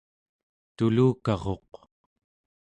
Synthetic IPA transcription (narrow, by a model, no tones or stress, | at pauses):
t̪uluːkɑʁo̞̰q